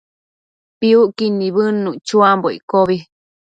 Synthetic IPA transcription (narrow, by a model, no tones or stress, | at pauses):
piuʔkinĩβɨnːũt͡ʃuamboḭkoβi